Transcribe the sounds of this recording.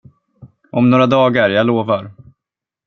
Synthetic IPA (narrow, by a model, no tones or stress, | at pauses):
ʔɔmnoːɾad̪ɑːɡaɾjaːɡloːvaɾ